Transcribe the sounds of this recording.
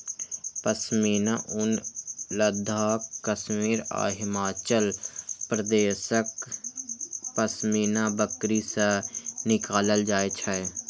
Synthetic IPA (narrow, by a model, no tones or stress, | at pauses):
pəsmiːna̰ʔʊnləd̪ʱaːkəsmiːɾa̰ːɦɪmaːt͡ʃəlpɾəd̪eːsək | pəsmiːnabəkɾisənɪkaːləld͡ʒaːet͡ʃʰɛe